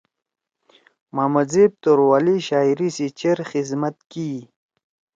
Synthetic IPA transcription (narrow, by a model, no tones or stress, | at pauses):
maːmazeb̚t̪oɾwaːliɕaːiɾisit͡ɕeɾxizmat̪ki